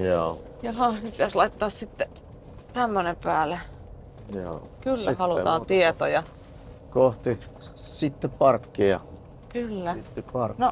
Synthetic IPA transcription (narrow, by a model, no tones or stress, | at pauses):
joː | jɑhɑnepit̪æslɑit̪ːɑːssit̪ːe | t̪æmːønempæːlˑe | jo | kylːæhɑlut̪ɑːnt̪iet̪ojɑ | koht̪isit̪ːepɑrkːiɑ̰ | kylːæt̪ːɑrno